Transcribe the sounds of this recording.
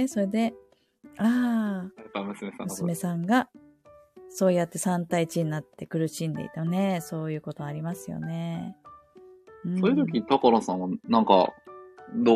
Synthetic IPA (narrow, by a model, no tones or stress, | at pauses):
eso̞ɾe̞d̪e̞ | aːkamɯsɨmesã̰mɯsɨme̞sãŋɡa | so̞ːjat̪ːe̞sãnt̪ait͡ɕiɲinat̪ːe̞kɯ̟ɾɯ̟ɕĩnd̪e̞̰ḭt̪ene̞so̞ːjɯ̟ːko̞t̪o̞aɾʲimasɨjo̞̰ne̞ | ɯ̟̃ɴsoːjɯ̟t̪okʲit̪akaɾasãɰ̃anãŋkɑ̰ | d̪o